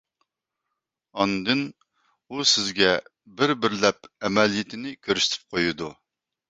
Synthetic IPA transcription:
ɑnɨd̪ɨn | usɪzɡʲɛ | bɪɾbɪɾlɛpɛmɛlijɪt̪ʰɪnɪkʲʰøɾʃt̪ʰɪ̥p̚qʰojud̪u

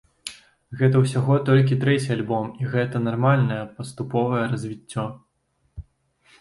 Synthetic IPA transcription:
ɣɛt̪̬ɐwsʲaɣɔt̪ɔlʲkʲit̪ɾɛt͡sʲialʲbɔmiɣɛt̪ɐnarmalʲnɐjɐpɐst̪upɔvɐjɛɾɐzʲvʲit͡sʲːɔ

